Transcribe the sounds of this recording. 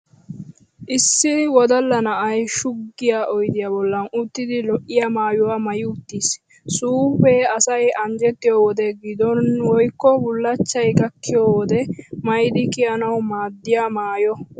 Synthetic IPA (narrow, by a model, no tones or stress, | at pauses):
ʔɪsːɪwɔd̪ɐlːɐnɐʔɐjʃʊɡːɪjaʔɔjd̪ɪjaːbɔlːɐnʊt̪ːɪd̪ɪlɔʔːɪjamaːjʊwaːmɐjɪʊt̪ːiːs | suːɸeːɐsɐjɐɲd͡ʒɛt̪ːɪjɔːwɔd̪ɛɡɪd̪ɔnwɔjkːɔbʊlːɐt͡ʃːɐjɡɐkʰːɪjoːwɔd̪ɛmɐjd̪ɪkɪjɐnɐwmaːd̪ːɪjamaːjɔ